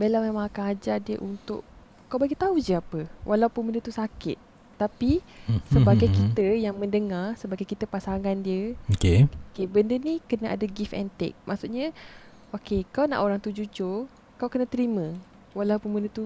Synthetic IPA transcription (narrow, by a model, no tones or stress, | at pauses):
belamemãŋakanad͡ʒadiəʔunt̪ʊ̰ʔ | kawbaɡit̪aud͡ʒəapəwʔalawpunbəndət̪usakɪ̰t̪̚ː | apisəbaɡajkit̪əjaŋmə̃ndəŋarsəbaɡajkit̪əpasaŋandiəokeokebəndənikənaʔa̰daɡifɛ̰nt̪ɛ̰k̚mʔaʔsuʔɲə̃ | ʔokekawna̰ʔoɾaŋt̪ud͡ʒud͡ʒʊr | kawkənə̃t̪əɾimə̃ | walawpunbəndət̪u